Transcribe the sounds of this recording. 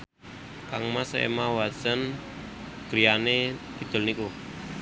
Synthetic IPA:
kaŋmasḛmawḁsən | ɡ̥ɾianet̪id̪̥ʊ̤lniku

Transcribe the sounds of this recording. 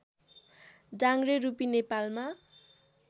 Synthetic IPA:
daŋɡrerupinepalma

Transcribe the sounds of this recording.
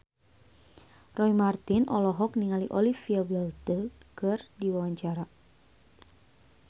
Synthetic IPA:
rɔimart̪inʔɔlɔɦɔk̚niŋaliʔɔlifiawɛlt̪əkɨrdiwawaɲt͡ʃaɾa

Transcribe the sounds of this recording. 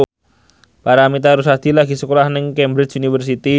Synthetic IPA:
paɾamit̪̬aɾus̬ad̪̥ilaɡi̤səkolahnɪŋkɛmbɾɪt͡ʃunifərs̬it̪i

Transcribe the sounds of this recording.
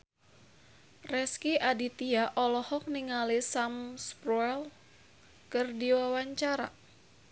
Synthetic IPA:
rɛskiʔadit̪iaʔɔlɔhɔk̚niŋalisamspɾɔɛl | kɨrdiwawaɲt͡ʃaɾa̰

